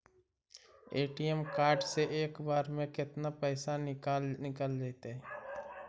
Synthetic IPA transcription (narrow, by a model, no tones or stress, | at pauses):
eːʈijemkaːɾɖseʔeːkbaːɾmẽkɪt̪napɛːsanɪkanɪkəldeːt̪eɦɛ